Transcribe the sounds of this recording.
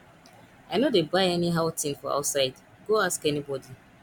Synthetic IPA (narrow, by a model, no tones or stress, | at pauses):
aɪnodebaɪɛniɦaʊtĩnfɔa̰ʊtsaɪd | ɡoaskɛnibɔdi